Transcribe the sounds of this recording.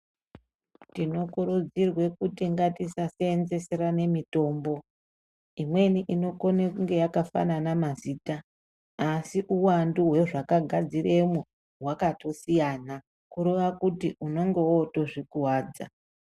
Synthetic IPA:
tino̞kuɾud͡zirwe̞kutiŋɡatisaseːnze̞se̞ɾane̞mito̞ːmbo̞ | imwe̞niʔino̞ko̞nekuŋɡe̞jakafa̰nanamaziːtaː | siʔuwanduɦwe̞ʐakaɡʱad͡zire̞mu | ɦwakato̞sijaːna | kuɾeʋakutiuno̞ŋɡe̞woto̞ʐikuwaːd͡za̰

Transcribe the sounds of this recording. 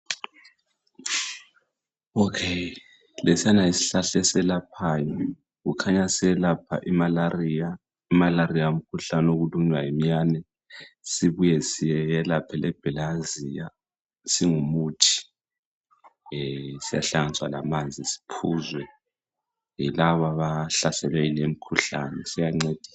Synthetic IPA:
ɔkʰe | lesianaisi̥ɬaɬɛsɛlapʰaːjɔ | ɣukʰaɲasɛɛlapʰa̰ʔimalarija | imalarijaom̩kʰuɬanoɣuluɲwajimijanɛ | siβujɛsijɛjɛlapʰɛlʔɛb̥ʱɛlazija | siŋumuːtʰi̥ | sija̰ɬaŋant͡sʼwala̰mand͡zʱisi̥pʰuːzwɛ | ilaβaβaɬasɛlwɛilem̩kʰuɬa̰nɛsijaŋ͡ǀed̥ʱi̥sa

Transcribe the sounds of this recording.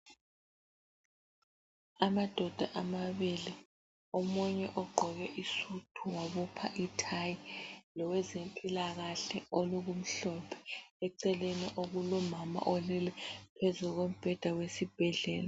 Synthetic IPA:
amad̥ʱɔd̥ʱaʔamaβili | omuɲɛʔɔɡ͡ǃʱɔɣɛʔisutʰuwaβɔpʰaʔitʰajilɔwɛzenpʼilaɣaɬɛoluɣum̩ɬɔpʰɛ̥ɛǀɛleniʔoɣulɔmama̰ʔɔlilɛpʰezuɣom̩b̥ʱɛd̥ʱawesib̥ʱɛɮɛːla

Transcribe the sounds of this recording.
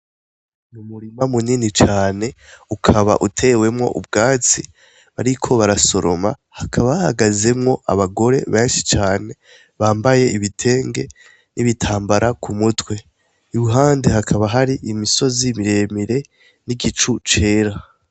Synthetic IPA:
numuɾimamuninit͡ʃaːne̞ukʰaβa̰ʔutʰe̞ːwe̞mŋo̞̰ʔub̚ɡaːt͡si | βaɾikʰo̞βaɾaso̞ɾo̞̰ma̰ | hakʰaβaaha̰ɡaze̞mŋo̞ʔa̰βaɡo̞ɾe̞̰βeːnʃi̥t͡ʃaːne̞ | βaːmbaje̞ʔiβitʰe̞ːŋɡe̞̰ | niβitʰaːmbaɾʔakʰumutwe̞ | iwuɦaːndeɦakʰaβaɦaɾiʔimiso̞zimiɾe̞miɾe̞ | niɡit͡ʃut͡ʃe̞ːɾa

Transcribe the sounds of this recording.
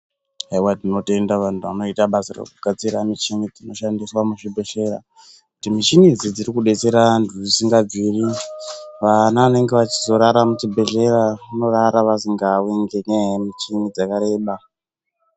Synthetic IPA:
aiwadino̞te̞ndaʋantua̰no̞itaɓasarḛkuɡ̥ʱat͡siɾamit͡ʃiŋid͡zino̞ʃandiswamuʃibʱeʃeɾa̰ | kutimit͡ʃinid͡zid͡ziɾikuɗe̞t͡se̞ɾandud͡zisiŋɡad͡ziːri | ʋanaːne̞ŋɡeʋat͡ʃi̥zo̞ɾaɾamut͡ʃibʱe̞ɮe̞rauno̞raɾaʋasiŋɡaweŋɡeneɦmit͡ʃinid͡zakaɾe̞ːɓa

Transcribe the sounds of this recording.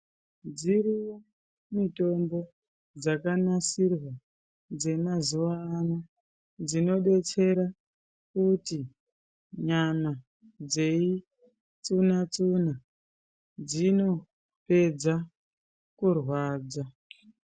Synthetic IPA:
d͡ziriwo | mito̞mbo̞ | d͡zakanasirwa | d͡ze̞mazuʋaːnu | d͡zino̞ɗe̞t͡se̞ɾa | kuti | ɲama | d͡ze̞i | t͡sunat͡suna | d͡zino̞ | pe̞d͡za | kurwaːd͡za

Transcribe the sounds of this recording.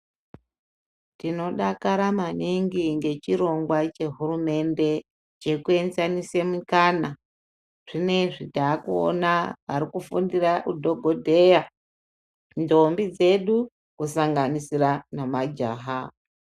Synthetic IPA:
tino̞ɗakaɾamaniŋɡiŋɡe̞t͡ʃiɾo̞ŋɡwat͡ʃe̞ɦurume̞nde̞ | t͡ʃe̞kue̞nzanisemukana | ʐ̥ine̞ʐitaːkuo̰naʋaɾikufundiraʔudʱo̞ɡʱo̞dʱe̞ja | ndo̞mbid͡ze̞ɗu | kusaŋɡanisiranamad͡ʒaːɦa

